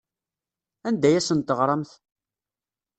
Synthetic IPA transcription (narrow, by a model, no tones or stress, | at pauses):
ænd̪æjæsənt̪əʁɾˤɑmθ